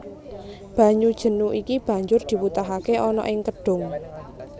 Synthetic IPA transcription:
b̥ä̤ɲud̥ʒ̥ə̤nuʔikib̥ä̤ɲd͡ʒʊrd̪̥i̤wut̪aɦakeʔɔnɔ̰ʔɪŋkəɖ̥ʊ̤ŋ

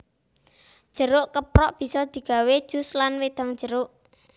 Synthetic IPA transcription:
d̥ʒ̥ə̤ɾʊʔkəpɾɔʔb̥i̤sɔd̪̥i̤ɡ̥a̤wed̥ʒ̥ʊ̤slanwed̪̥a̤ŋ̥ʒ̥ə̤ɾoʔ

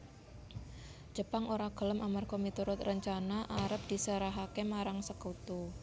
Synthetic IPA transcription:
d͡ʒ̥ə̤paŋʔoɾaɡ̥ə̤ləmʔamarɡomit̪uɾʊt̪rəɲt͡ʃanaʔaɾəp̚d̪̥i̤səɾaɦakemaɾaŋsəkut̪u

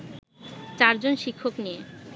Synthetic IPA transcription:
t͡ɕaɾd͡ʑonʃikʰːoknije

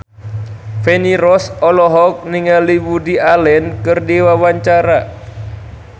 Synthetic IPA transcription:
feniɾɔsɔlɔɦɔk̚niŋaliwudialɛnkɨrdiwawaɲt͡ʃaɾa

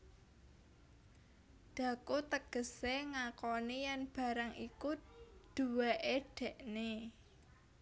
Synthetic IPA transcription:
d̪̥ä̤kut̪əɡ̥ə̤seŋakɔnijanb̥ä̤ɾaŋʔikud̪̥uwaʔeɖ̥ɛ̤ʔne

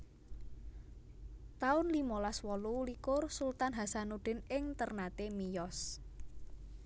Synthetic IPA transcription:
t̪aʊnlimolaswɔlulikʊrsult̪anɦasanuɖ̥ɪ̤nɪŋt̪ərnat̪emijɔs

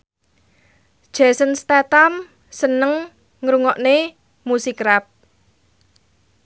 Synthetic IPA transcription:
d̥ʒ̥ɛ̤sənst̪at̪am | sənəŋ | ŋɾuŋɔʔne | musikɾap̚

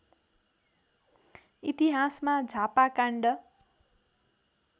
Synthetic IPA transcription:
it̪iɦasmad͡zʱapakaɳɖʌ

